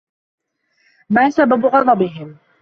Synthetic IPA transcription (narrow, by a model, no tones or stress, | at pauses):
maːsababʊɣɑd̪ˤɑbɪɦɪm